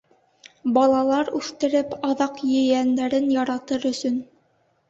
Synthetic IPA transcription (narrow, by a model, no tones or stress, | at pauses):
bɑlˠɑlˠɑɾʉθt̪ɘ̆ɾɘpɑðɑqjɵ̆jænd̪æɾɘnjɑɾɑt̪ɤɾɵ̆sɵn